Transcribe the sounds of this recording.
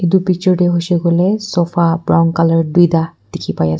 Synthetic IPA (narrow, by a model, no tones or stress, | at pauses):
ed̪upit͡ʃɔɹɖeɦoseɡolesɔfʰabɹawnkalaɹdujd̪ad̪̥ekʰipaja